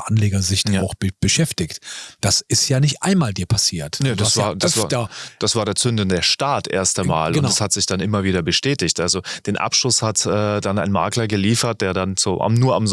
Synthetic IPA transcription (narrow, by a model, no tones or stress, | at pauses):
ʔanleːɡɐzɪçtːaʊxb̥b̥əʃɛftɪçtd̥asʔɪstjaːnɪçtʔa̰ɪnmaːldiːɐpʰasiːɐtned̥asv̥aːɐd̥asvːd̥asv̥aːɐɾeːɐt͡sʏndn̩deːɐʃtaːtʔḛːɐstama̰ːlʊndashatz̥ɪçd̥anʔɪmɐviːɾɐbəʃtɛːtɪçtʔalzod̥eːnʔa̰pʃlʊshatʔɛːd̥ana̰ɪnma̰ːklɐɡəliːfɐt̚d̥eːɐdant͡soːʔa̰mnuːɐamz